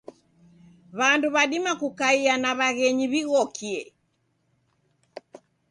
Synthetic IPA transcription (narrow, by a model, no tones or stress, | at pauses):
βanduβaɗimakukaianaβaɣɛɲiβiɣɔkʰiɛ